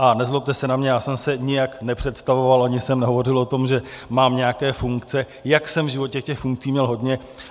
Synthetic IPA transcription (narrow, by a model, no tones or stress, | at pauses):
ʔanɛzlop̚t̪ɛsɛnamɲɛjaːsɛmsɛɲɪjaknɛpr̥ɛt̪st̪avovalʔaɲɪsɛmnɛɦo̞vo̞rɪlʔo̞t̪o̞mʒɛmaːmɲɛakɛːfuŋkt͡sɛ | jaksɛmvʒɪvo̞cɛkcɛxfuŋk̚t͡siːmɲɛlɦo̞d̪ɲɛ